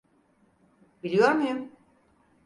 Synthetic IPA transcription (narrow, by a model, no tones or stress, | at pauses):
bilʲijoɾmujum